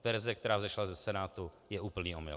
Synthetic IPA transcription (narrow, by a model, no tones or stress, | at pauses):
vɛɾzɛk̚t̪ɛɾaːvzɛʃlazɛsɛnaːt̪u | jɛʔuːpl̩niːomɪ̰l